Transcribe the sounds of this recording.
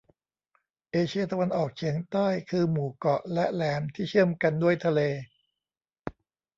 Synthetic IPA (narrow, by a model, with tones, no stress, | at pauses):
ʔeː˧t͡ɕʰi˧ɐt̪a˧wa˧nʔɔː˨˩k̚t͡ɕʰi˩˦əŋt̪aː˥˩jkʰɯː˧muː˨˩kɔ˨˩lɛ˦˥lɛː˩˦mt̪ʰiː˥˩t͡ɕʰɯ˥˩əmka˧ndu˥˩əjt̪ʰa˧leː˧